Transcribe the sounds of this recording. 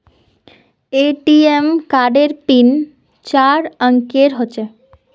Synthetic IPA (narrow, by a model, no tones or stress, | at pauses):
eʈiemkaɖeɾpin | t͡ɕaɾəŋkeɾɦoːɕʰe